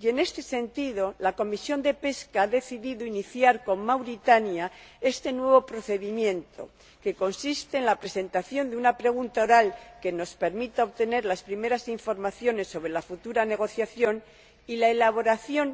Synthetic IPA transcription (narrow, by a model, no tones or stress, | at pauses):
je̞ne̞st̪e̞se̞nt̪iðo̞lako̞misjo̞nd̪e̞pe̞skaaðe̞θiðiðoiniθjaɾko̞mmawɾit̪anjae̞st̪e̞nwe̞β̞o̞pɾo̞θe̞ðimjẽ̞nt̪ʰo̞̰ | ke̞ko̞nsist̪e̞ːnlapɾe̞se̞nt̪aθjo̞nd̪eunapɾe̞ɣ̞unt̪aoɾalke̞no̞spe̞ɾmit̪aoβt̪e̞ne̞ɾlaspɾime̞ɾasiɱfo̞ɾmaθjo̞ne̞sːo̞βɾe̞lafut̪uɾane̞ɣ̞o̞θjaθjo̞n | ilaelaβ̞o̞ɾaθjo̞n